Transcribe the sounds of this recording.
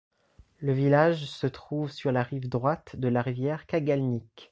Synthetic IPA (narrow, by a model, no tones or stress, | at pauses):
ləvilaʒsət̪χuvsyʁlaʁivd̪ʁwat̪d̪əlaʁivjɛʁkaɡalnik